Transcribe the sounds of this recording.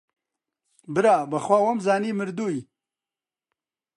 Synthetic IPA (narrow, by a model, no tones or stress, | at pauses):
bɪɾaːbɐxwaːwamzɑːnimɪɾd̪uj